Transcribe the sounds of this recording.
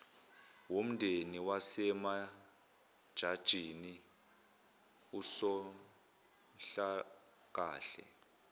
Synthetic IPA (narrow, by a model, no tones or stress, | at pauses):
wom̩ndʱeniwasɛma | d̥ʒ̥ʱad̥ʒ̥ʱini | usɔ | ɬa | k̬aːɬɛ̰